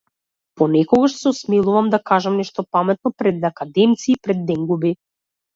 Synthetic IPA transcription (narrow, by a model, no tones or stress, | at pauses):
pɔnɛkɔɡaʃsɛɔsmilˠuvamd̪akaʒamnɛʃt̪ɔpamɛt̪̚nɔpɾɛd̪akad̪ɛmt̪siːpɾɛd̪ːɛŋɡubi